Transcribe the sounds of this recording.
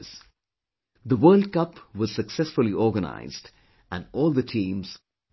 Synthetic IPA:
z̥ | ðəwɜːld̚kʌpʋʌz̥səksɛsfʊlˠiʔɔːɡəna̰ɪzd | æ̃nɔːlˠd̪ətʰĩːmz̥

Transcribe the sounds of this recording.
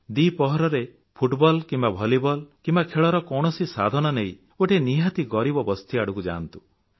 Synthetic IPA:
d̪ipɔɦɔɾɔɾe | pʰuʈbɔlkimbabʱɔlibɔlkimbakʰeɭɔɾɔkɔwɽ̃ɔsisad̪ʱɔñɔneĩ | oʈeniɦat̪iɡɔɾibɔbɔst̪ʰiaɽukud͡ʒa̰ːnt̪u

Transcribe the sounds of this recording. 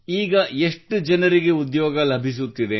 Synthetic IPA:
iːɡɐeʂʈːud͡ʒɐnɐɾiɡe̞ud̪joːɡɐlɐbʱis̬ut̪ːid̪e

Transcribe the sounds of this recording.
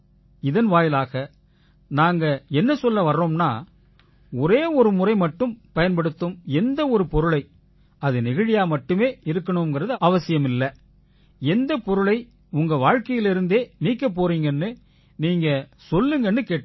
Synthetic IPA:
ɪðɐnʋaːjɪlaːɣɐ | naːŋɡɐɛnːɐsɔlːɐʋɐrːoːmnaː | ɔɾeːɔɾɯmʊrɐɪmɐʈːɯmpɐjɐnpɐɽɯt̪ːɯmɛnd̪ɐɔɾɯpɔɾɯɭɐɪ | ɐðɯnɪɣɪɻɪjaːmɐʈːɯmeːɪɾɯkːɐɳɯmɡɪrɐðɯɐʋɐsɪjɐmɪlːɐ | ɛnd̪ɐpɔɾɯɭɐɪ | ʊŋɡɐʋaːɻkɐjɪlɪɾɯnd̪eːniːkːɐp̬ːoːɾiːŋɡɐɛnːɯ | niːŋɡɐsɔlːɯŋɡɐɛnːɯkeːʈː

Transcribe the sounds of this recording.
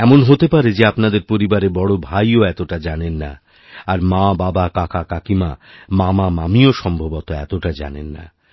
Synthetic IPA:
ɛmonɦot̪epaɾed͡ʑeapnad̪eɾpoɾibaɾebɔɽobʱajoɛt̪oʈad͡ʑanenːa̰ | aɾmababakakakakimamamamamioʃɔmbʱobɔt̪oɛ̰t̪oʈad͡ʑa̰nḛnːa̰

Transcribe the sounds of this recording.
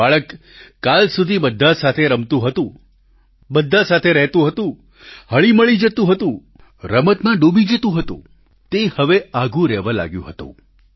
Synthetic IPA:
aɭəkː | alsud̪ʱibəd̪ʱːasat̪ʰeɾəmt̪ũɦət̪ũ | bəd̪ʱːasat̪ʰeɾəɦt̪ũɦət̪ũ | həɭiməɭid͡ʒət̪ũɦət̪ũ | ɾəmət̪mãɖobid͡ʒət̪ũɦət̪ṵ̃ | t̪ehəʋeaɡũɾɛʋãla̰ɡjṵ̃ɦət̪ṵ̃

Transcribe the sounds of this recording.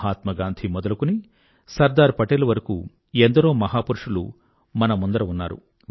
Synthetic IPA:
aːt̪mɐɡaːnd̪ʱʰimɔd̪ɐlukuni | sɐɾd̪aːɾpɐʈelɐʋɐɾɐkṵ | end̪ɐɾoːmɐɦaːpuɾuʂulṵ | mɐnɐmund̪ɐɾɐunːaːɾṵ

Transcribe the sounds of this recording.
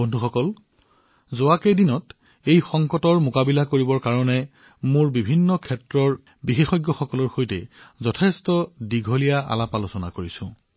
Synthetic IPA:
bɔndʱuxɔkɔl | zowakejdinɔt | ejxɔŋkɔtɔɹmʊkabilakoɹibɔɹkaɹɔnɛ | mʊɹbibʱinːɔkʰɛtɹɔɹ | bixexɔjɡjɔxɔkɔlɔɹxojtɛzɔtʰɛstɔdiɡʱolijaʔa̰lapalʊsɔna̰koɹisʊ̰̃

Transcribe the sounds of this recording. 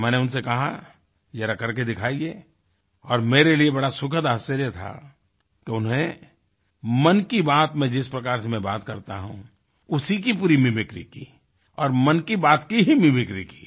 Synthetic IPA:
mɛ̃ːneʊnsekɐɦa̰ | jɛːɾakɐɾked̪ɪkʰaːieː | ɔːɾmeːɾeliebɐɽasʊkʰət̪aːsəɾjət̪ʰa̰ | keʊnẽ | mɐnkibaːt̪mɛ̃d͡ʒɪspɾɐkaːɾsemɛ̃baːt̪kɐɾt̪a̰ɦṵ̃ | ʊsikipuːɾimɪmɪkɾikiː | ɔːɾmɐnkibaːt̪kiɦimɪmɪkɾiki̥ː

